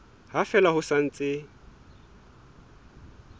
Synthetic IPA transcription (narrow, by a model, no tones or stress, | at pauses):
ɦafɛlahʊsan̩t͡sʼɪ